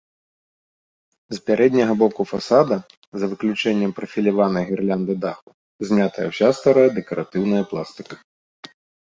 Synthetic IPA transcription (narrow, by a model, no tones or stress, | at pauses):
zpʲaɾʔɛd̪ʲnʲɐɣɐbɔkufasad̪ɐ | zɐvɨklʲut͡ʂɛnʲːɛmpɾɐfʲilʲavanɐɣʲɛrlʲand̪ɨd̪axu | zʲmʲat̪ɐjɐ̰wsʲast̪aɾajɐd̪ɛkɐɾʔat̪ɨwnɐjɐplˠast̪ɨ̥kɐ̥